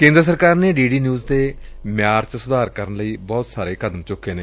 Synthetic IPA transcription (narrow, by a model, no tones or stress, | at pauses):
kẽːnd̪ɾəs̬əɾkaːɾneːɖiːɖiːnjuːzd̪eːmɪjaːɾt͡ʃəsʊd̪aːɾkəɾənləiːbɔːt̪saːɾeːkʰəd̪əmt͡ʃʊkːeːneː